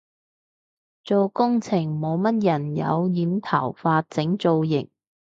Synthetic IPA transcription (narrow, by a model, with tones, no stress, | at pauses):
t͡so˨wkʊ˥ŋt͡sʰɪ˨˩ŋmo˨˧wmɐ˥t̚jɐ˨˩njɐ̰˨˧wjiː˨˧mt̪ʰɐ̰˨˩wfaː˧t̚t͡sɪ˨˥ŋt͡so˧wjɪ˨˩ŋ